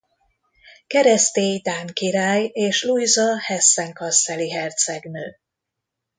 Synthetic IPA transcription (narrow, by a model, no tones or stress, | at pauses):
kɛɾɛst̪eːjd̪aːŋkiɾaːjeːʃlujzɒhɛsːɛŋkɒsɛliɦɛrt̪sɛɡnøː